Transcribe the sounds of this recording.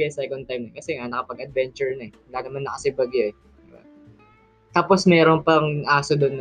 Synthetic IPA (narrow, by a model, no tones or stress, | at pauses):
ɐsɛkont̪ajmnɐɛkɐsɛŋanɐkɐpɐɡɐd̪̚vɛnt͡ʃʊɹnɐɛwɐlaːnɐmanːɐkɐsɪbɐɡjoɛ | d̪ɪba̰ | t̪aːposmɛːɾonpɐŋʔaːsod̪ʊnː